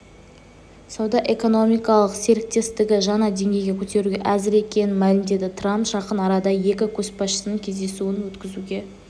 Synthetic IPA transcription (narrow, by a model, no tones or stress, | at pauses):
sɑwd̪ɑʔe̞ko̞no̞mijkɑlˠəqse̞ɾɪk̚t̪e̞st̪ɪɡʲɪʒɑnɑd̪e̞ŋɡʲe̞jɡʲe̞kʲʰɵt̪e̞ɾuɡʲeʔæzɪɾe̞kʲe̞nɪnmælɪmd̪e̞d̪ɪt̪ʰrampʒ̥ɑqənɑɾɑd̪ɑje̞kʲɪkʲʰɵspɑsʃəsənəŋkʲʰe̞zd̪e̞suɪnwɵt̪kʲɪzuɡʲe̞